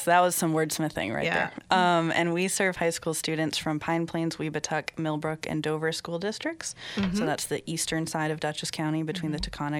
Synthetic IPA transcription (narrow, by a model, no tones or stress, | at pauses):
ðət̚wʌz̥sʌ̃mwɜ˞d̥smɨθɪ̰̃ŋɹa̰ɪðə̰˞ʔʌ̃mɨ̰̃nwisɜ˞v̥haɪskulˠstʉdⁿn̩tsfɹʌ̃mpʰãɪ̃npʰl̥ẽɪ̃nzwibɨtʰʌkmɪlˠbɹʊkɨ̰̃ndoʊvə˞skulˠdɪstɹ̥ɨk̚tsssoʊðætsðiʔistə̃˞nsaɪɾʌvdʌt͡ʃɨskʰãʊ̃ɾ̃ibɨtʰw̥ĩnðɨtʰɨkʰɑnɨ